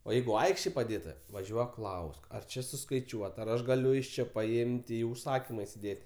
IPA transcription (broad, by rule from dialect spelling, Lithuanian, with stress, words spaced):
oː ˈjɛɪɡʊ ˈɐɪkʃʲtʲeːj pɐˈdʲeːtɐ ʋɐˈʒʲuɔk ˈklˠɐʊsk ɐr ˈt͡ʃʲɪ sʊskɐɪˈt͡ʃʲuɔtɐ ɐr ˈɐʃ ɡɐˈlʲʊ ɪʃ ˈt͡ʃʲɪ pɐˈɪmʲtʲ ˈiː ʊʃˈsɑːkʲiːmɐ ɪsʲɪˈdʲeːtʲ